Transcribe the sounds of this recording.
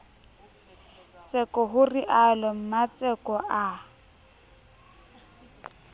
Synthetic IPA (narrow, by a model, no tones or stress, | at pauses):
t͡sɛkɔɦʊriʔalɔm̩mat͡sʼɛkɔʔa